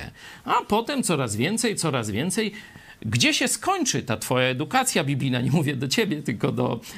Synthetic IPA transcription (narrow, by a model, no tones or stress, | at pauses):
ɛ̰apɔt̪ɛmt̪sɔɾazvʲjɛnt̪sɛjt̪sɔɾazvʲjɛnt̪sɛj | ɡd͡ʑɛɕɛskɔɲt͡ʂɘt̪at̪fɔjaɛd̪ukat̪sʲjabʲibʲlʲijnaɲɛmuvʲjɛd̪ɔt͡ɕebʲjɛt̪ɘlkɔd̪ɔ̰